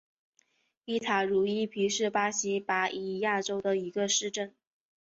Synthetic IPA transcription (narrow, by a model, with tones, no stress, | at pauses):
i˥˩t̪ʰa˨˩ɻu˧˥i˥pʰi˧˥ʂɻ̩˥˩pa˥ɕi˧˥pa˧˥ʔi˨˩ja˥˩ʈ͡ʂo˥ʊd̪ə˨i˧˥ɡə˧ʂɻ̩˥˧ʈ͡ʂə˥˩n